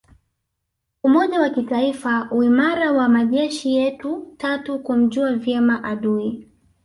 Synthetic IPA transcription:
umɔʄawakitaifauimaɾawamaʄɛʃijɛtutatukum̩ʄuavjɛmaʔaɗui

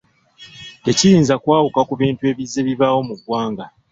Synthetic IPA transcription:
e̞ciɾiːnzakwaːwukakuβiːntue̞ːβizːe̞βiβawo̞muɡwaːŋɡa

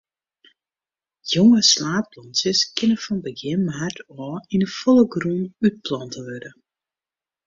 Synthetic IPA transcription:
joŋəslaːplɔnsjəskɪnəfɔnbəɡɪnmartʰɔːinəfɔlˠəɡrunyt̚plɔntəʋødə

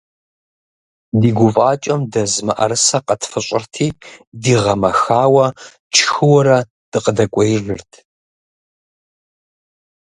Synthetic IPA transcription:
diːɡʷʊfʼaːt͡ʃʼɐmdɐzmɐʔɐ̰ɾɨsɐqɐtʰfɨɕʼɪrtʰiːdiːʁɐmɐxaːwɐ | t͡ʃʰxɨwɐɾɐ | d̥ɨqədɐkʷʼɔjʒɨrtʰ

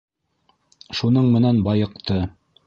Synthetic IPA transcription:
ʃunɤɴmɘ̆nænbɑjɤ̆qt̪ɤ

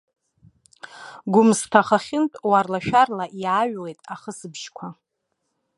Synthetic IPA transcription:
ɡʷʊmstʰaχaχʲɪntʼwarlaʃᶣarlaʔiaɥwejtʼaχəsɨbʒkʷʰa

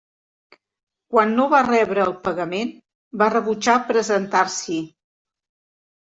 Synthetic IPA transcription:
kwanːoβarɛβɾəːlˠpəɣəmen | barəβut͡ʃapɾəzənt̪aɾsi

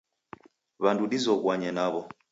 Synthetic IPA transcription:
βanduɗizɔɣwaɲɛnaβɔ

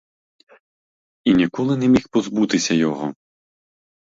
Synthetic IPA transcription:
inʲikɔlˠɨnɛmʲixpɔzbut̪ɪsʲɐjɔɦɔ̰

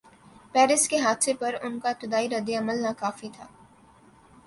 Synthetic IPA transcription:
pɛːɾɪskeɦaːt̪sepɐɾʊnkat̪ɪd̪aːiɾɐd̪ːeɐməlnakaːfit̪ʰa̰ː

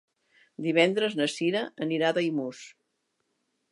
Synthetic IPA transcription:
d̪iβɛnd̪ɾəznəsiɾəəniɾaðajmus

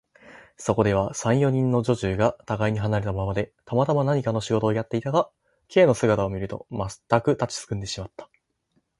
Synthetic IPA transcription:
so̞ko̞d̪e̞β̞asãɰ̃jo̞ɲ̟ĩnːo̞ʑo̞ʑɨːɡat̪aɡaiɲ̟iɦanaɾet̪amamad̪e̞t̪amat̪amanaɲ̟ikano̞ɕiɡo̞t̪o̞ːjat̪ːe̞it̪aɡa | kʰe̞ːno̞sɨɡat̪aomʲiɾɯ̟t̪o̞̰mat̪ːakɯ̟t̪at͡ɕi̥t͡sɨ̥kɯ̃nd̪e̞ɕimat̪ːḁ

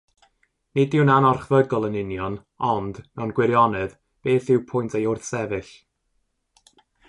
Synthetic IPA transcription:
nɪdɪwnanɔrχvəɡɔlˠənɪnjɔn | ɔndnɛnɡwɪɾjɔnɛð | b̥eːθɪwpʰʊjntʰejʊrθsɛvɨɬ

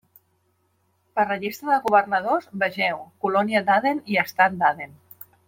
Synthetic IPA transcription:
pərəʒist̪ɾəðəɣuβəɾnəð̞ozβəʒɛwkulɔniəd̪aðeniəst̪at̪̚d̪aðen

